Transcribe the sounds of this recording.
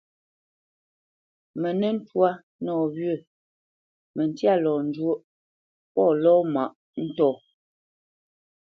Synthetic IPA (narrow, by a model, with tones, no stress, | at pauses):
mə˨nə˦n̩˦twa˦ | nɔː˨βɥə˦˨ | mə˨n˦tja˦˨lɔ˨n̩˨d͡ʒwo˦ʔ | pɔ˦˨lɔ˦ma˨ʔ | n̩˦tɔ˦˨